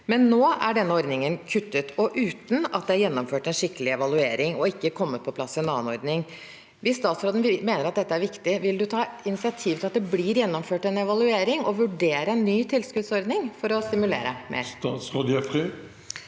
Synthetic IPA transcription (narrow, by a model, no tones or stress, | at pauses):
mɛnːoːæɖɛnːəɔɾd̪nɪŋənkʰʉt̪ːət̪ɔʔʉːt̪n̩ɑ̰t̪̚d̪ɛæɾjɛnːɔmføːʈɛnʂɪkːəlɪɛʋɑlʉeːɾɪŋɔɪkːəkʰɔmːət̪̚pʰɔpʰlɑsːɪɛnɑːənɔɾd̪nɪŋ | ʋɪsːt̪ɑːt̪sɾoːd̪n̩meːnəɾɑt̪̚d̪ɛt̪ːəæɾʋɪkt̪ɪʋɪld̪ʉt̪ʰɑːɪnɪsɪɑt̪ʰiːʋt̪ɪlɑt̪̚d̪ɛbliːɾjɛnːɔmføːʈɛnɛʋɑlʉeːɾɪŋɔʋʉɖeːɾəɛnːyːt̪ʰɪlskʉd̪sɔɾd̪nɪŋfɔɾɔst̪ɪmʉlḛːɾə̰mʔḛːɾt̪ɑːt̪sʁoːd̪ɛfʁɪ